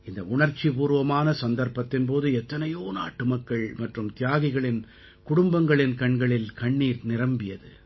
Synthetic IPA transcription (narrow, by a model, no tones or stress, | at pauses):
ɪnd̪ɐʊɳɐɾt͡ʃːipuːɾɯʋɐmaːnɐsɐnd̪ɐɾpɐt̪ːɪnp̬oːðɯɛt̪ːɐnɐjoːna̰ːʈːɯmɐkːɐɭmɐʈrɯmt̪ɪjaːɣɪɣɐɭɪn | kʊɽʊmbɐŋɡɐɭɪnkɐɳɡɐɭɪlkɐɳːiːɾnɪɾɐmbɪjɐðɯ̰